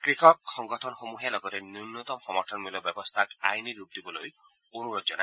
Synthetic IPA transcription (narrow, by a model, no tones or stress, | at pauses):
kɾikʰɔkːɔŋɡɔtʰɔnxomuɦijalɔɡɔɾenunːɔt̪ɔmxɔmɔɾtʰɔnmilɔbjɔbɔst̪ʰaka̰jniɾup̚d̪ibɔloj | onuɾod͡ʒɔna̰